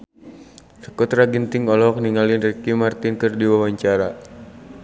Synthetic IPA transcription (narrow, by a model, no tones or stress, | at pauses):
sə̥kɔt̪ɾaɡənt̪ɪŋɔlɔk̚niŋalinrɛkimart̪inkɨrdiwawaɲt͡ʃaɾa